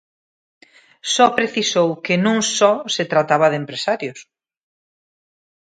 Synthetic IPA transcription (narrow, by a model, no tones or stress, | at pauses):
sɔpɾeθisowkɪnũŋsɔset̪ɾat̪aβɐðempɾesaɾjʊs